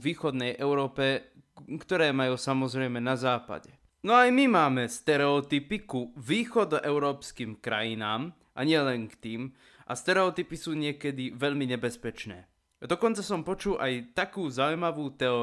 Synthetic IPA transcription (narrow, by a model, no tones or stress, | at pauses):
ʋiːxɔd̪nɛjʔɛʊɾɔːpɛ | kt̪ɔɾɛːmajuːsamɔzɾɛjmɛnazaːpa̰ɟɛ | nɔajmimaːmɛst̪ɛɾɛɔt̪ipikuʋiːxɔd̪ɔʔɛʊɾɔːpskiːmkɾa̰jinaːm | ʔa̰ɲɪɛlɛŋkt̪iːm | ʔa̰st̪ɛɾɛɔt̪ipisuːɲɪɛkɛd̪iʋɛʎmiɲɛbɛspɛt͡ʃnɛ̰ː | d̪ɔkɔnt͡sasɔmpɔt͡ʃulʔajt̪akuːzaujmaʋuːt̪ɛɔ